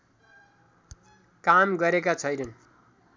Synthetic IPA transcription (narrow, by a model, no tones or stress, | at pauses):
kamɡʌɾekat͡sʰʌjnʌn